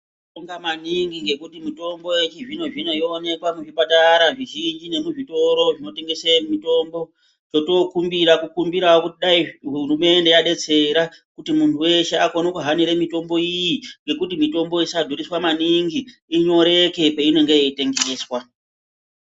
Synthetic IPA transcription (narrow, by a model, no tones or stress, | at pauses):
oŋɡamaniŋɡiŋɡe̞kutimito̞mbo̞et͡ʃeʐino̞ʐino̞ione̞kwamuʐipataɾaʐiʒind͡ʒine̞muʐito̞ɾo̞ʐino̞te̞ŋɡe̞semito̞mbo̞ | t͡ʃo̞to̞kumbiɾakukumbiɾawokutiɗaiɦurume̞nde̞jaɗe̞t͡se̞ɾakutimuntʰuwe̞ʃeakonokuɦaniɾemito̞mbo̞ijiŋɡe̞kutimito̞mbo̞isadʱuriswamaniŋɡiːɲo̞ɾe̞ke̞peino̞ŋɡeeite̞ŋɡeːswa